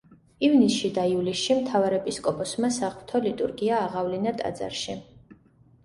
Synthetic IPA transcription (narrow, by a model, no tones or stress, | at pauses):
ivnisʃid̪aivlisʃimt̪ʰavaɾɛpʼiskʼɔpʰɔsmasaʁt̪ʰɔlit̪ʼṵɾɡiaːʁavlinat̪ʼa̰d̪za̰ɾʃi